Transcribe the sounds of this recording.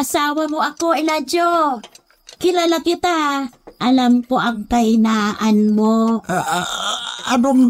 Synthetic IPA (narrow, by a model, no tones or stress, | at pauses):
ʔasaːwɐmoʔɐkoʔɪlad͡ʒo | kɪlaːlakɪt̪aʔɐlamkoʔɐŋt̪ɐjnaːʔanmo | ɐno